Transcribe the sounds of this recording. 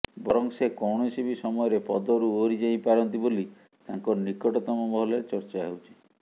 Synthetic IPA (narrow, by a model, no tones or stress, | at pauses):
bɔɾɔŋsekɔwɳɔɔsibisɔmɔjɔɾepɔd̪ɔɾuoɾid͡ʒaj̃paɾɔnt̪iboli | t̪aŋkɔɾnikɔʈɔt̪ɔmɔmɔɦɔleɾet͡ʃɔɾt͡ʃaɦewt͡ʃʰi̥